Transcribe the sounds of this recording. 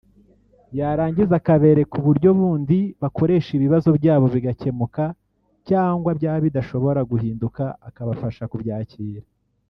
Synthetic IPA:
jaɾaːɲɟizakaβe̞ɾe̞kuβuɾɟo̞βuːndiβakʰo̞ɾe̞ːʃiβiβazo̞bɟaːβo̞βiɡace̞muka | caːŋɡwabjaːβidaʃo̞βo̞ɾaɡuhiːndukaakaβafaʃakubjaːciːɾa

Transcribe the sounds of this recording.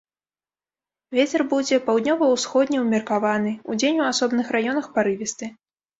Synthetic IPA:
vʲet͡sʲɛrbud͡zʲɛpawd̪ʲnʲɔvɐwsxɔd̪ʲnʲɛwmʲɛrkavanɨud͡zʲenʲuasɔbnɨxrajɔnɐxpaɾɨvʲɛst̪ɨ

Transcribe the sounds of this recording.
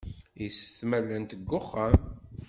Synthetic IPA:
jisə̥θmælːænt̪əɡːʊχːam

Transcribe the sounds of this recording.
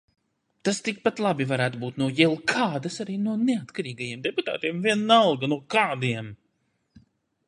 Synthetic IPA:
t̪ast̪ik̚pat̪lˠabivaɾæːt̪ubuːt̪nuɔjɛlˠkʰaːd̪asaɾiːnuɔnɛat̪kaɾiːɡajiɛmd̪ɛput̪a̰ːt̪iɛmviɛnːalɡanuɔkaːd̪iɛm

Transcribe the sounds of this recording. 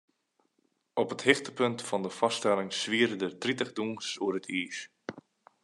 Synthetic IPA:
ɔpəthɪxtəpɵntfɑndəfɑstɛlɪŋsʋiəɾədətritəχduŋsuəɾətʰiːs

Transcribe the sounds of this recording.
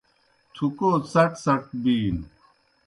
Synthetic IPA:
t̪ʰukoːt͡sɐʈsɐʈ̚biːn

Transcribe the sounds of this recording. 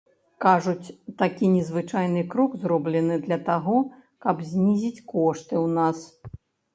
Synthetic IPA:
kaʐut͡sʲt̪akʲinʲɛzvɨt͡ʂajn̪ɨkɾɔkzrɔblʲɛnɨd̪lʲɐt̪aɣɔ | kɐbzʲnʲizʲit͡sʲkɔʂt̪ɨwnas

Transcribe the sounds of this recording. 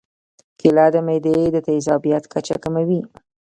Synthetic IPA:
kɪlad̪əmajd̪ed̪ət̪azɑbijat̪kat͡ʃa̰kamawi

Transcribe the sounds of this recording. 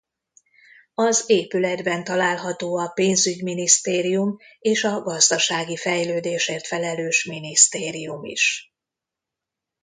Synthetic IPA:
ɒzeːpylɛd̪bɛnt̪ɒlaːlɦɒt̪oːɒpeːnzyɟminist̪eːɾijumeːʃɒɡɒzd̪ɒʃaːɡifɛjløːd̪eːʃeːrt̪fɛlɛløːʃminist̪eːɾijumḭʃ

